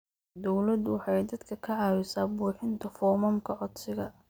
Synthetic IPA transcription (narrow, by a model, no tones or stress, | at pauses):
d̪ɔwlɐd̪wɑħɑjd̪ɐd̪kʰɐkʰɐʕɑːwɪsaːbuːħɪnt̪ʰɐfɔmɐmkʰɐʕɔd̪sɪɣɐ